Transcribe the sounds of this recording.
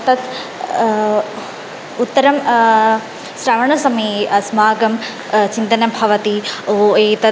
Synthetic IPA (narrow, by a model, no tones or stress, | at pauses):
t̪ɐt̪ | ut̪ːɐɾɐm | sɾaːʋɐɳ̃ɐsɐmeːɐsmaːɡɐm | t͡ɕĩnt̪ɐnɐbʱɐʋɐt̪ioeːt̪ɐ